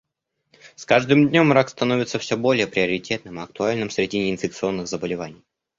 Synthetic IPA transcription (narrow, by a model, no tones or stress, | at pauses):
skaʐd̪ɨmd̪ʲnʲo̞mːɾakst̪ɐno̞vʲɪt̪səfsʲobo̞lʲɪjəpɾʲɪɐɾʲɪtʲʰe̞t̪nɨmɨɐk̚t̪ʊalʲnɨmsɾʲɪdʲinʲɪːnfʲɪk̚t̪sɨo̞nːɨxzəbəlʲɪvanʲɪj